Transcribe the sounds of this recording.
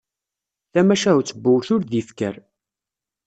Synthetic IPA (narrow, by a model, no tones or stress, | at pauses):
θæmæʃæt͡sːəbːʊɾθʊɾðifkə̰ɾ